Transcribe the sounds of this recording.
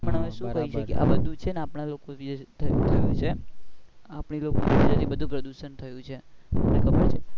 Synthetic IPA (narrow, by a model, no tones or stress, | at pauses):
məñəʋeʃũkəɦiʃəkjḛʔa̰bəd̪ʱũt͡ʃʰenapɳalokoʋid͡ʒt̪ʰt̪ʰəjũt͡ʃʰe | apɳiloko̰id͡ʒəɾibəd̪ʱũpɾəd̪uʃənt̪ʰəjũt͡ʃʰeənekəpəɾt͡ʃʰe